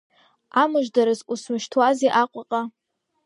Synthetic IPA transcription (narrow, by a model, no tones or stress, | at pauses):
amɨʒdaɾɨzusmɨʃtʰwaziʔaqʷʼaqʼa